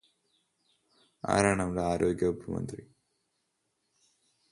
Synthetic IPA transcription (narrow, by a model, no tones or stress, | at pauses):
a̰ːɾaːɳɐmɽeaːɾoːɡjɐubʱumɐ̰nd̪ri